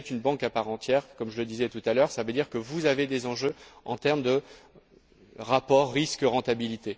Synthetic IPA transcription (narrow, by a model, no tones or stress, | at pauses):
ɛt̪ynbɑ̃kapaʁɑ̃t̪jɛːʁkɔmʒələd̪izɛt̪ut̪alœʁsavød̪iʁkəvuzaved̪ezɑ̃ʒøɑ̰̃t̪ɛʁmd̪ə | ʁapɔʁːiskəʁɑ̃t̪abilit̪e